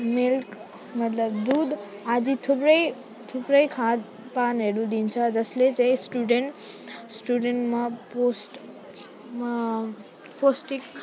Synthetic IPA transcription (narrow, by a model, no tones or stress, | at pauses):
milk | mʌt̪lʌbd̪ud̪ad͡zit̪ʰuprʌj | t̪ʰuprʌjkʰãd̪ | panɦeɾud̪int͡sʰʌd͡zʌslet͡saj̃sʈuɖeɳʈsʈuɖeɳʈmaposʈ | posʈik̚